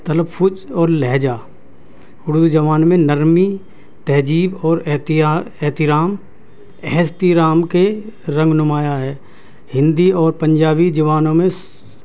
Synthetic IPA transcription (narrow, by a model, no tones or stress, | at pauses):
t̪ɐləbfʰʊd͡ʒɔːɾlɛɦːd͡ʒaː | ʊɽd̪d͡ʒɐʋaːnmẽnəɾmi | t̪ɛɦd͡ʒiːbɔːɾɛt̪ːɛːt̪ɪɾaːm | ɛɦst̪iɾaːmkeɾɐ̃ŋɡnʊmaːjaɦɛː | hɪ̃nd̪iɔːɾpə̃ɲd͡ʒaːbid͡ʒɐʋaːnõmẽ